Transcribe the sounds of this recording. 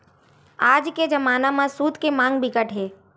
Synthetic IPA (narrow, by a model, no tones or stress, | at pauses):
aːd͡ʒked͡ʒəmaːnamãsuːd̪kemãːŋɡbʱɪɡəʈɦeː